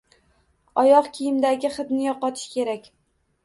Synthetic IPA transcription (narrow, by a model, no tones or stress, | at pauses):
ɒjɒqkʲʰijɪmd̪aɡʲɪχɨt̪nɪjɒqɒt̪ʰɪ̥ʃkʲʰe̞ɾakʲ